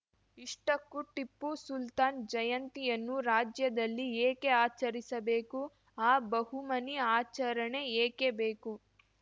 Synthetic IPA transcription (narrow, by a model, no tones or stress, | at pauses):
iʂʈɐkːuʈːipːusult̪aːnd͡ʒɐjɐnt̪ijɐnːuɾaːd͡ʒjɐd̪ɐlːieːke̞aːt͡ʃɐɾisɐbe̞ːku | aːbɐɦumɐniaːt͡ʃɐɾɐɳeeːke̞be̞ːku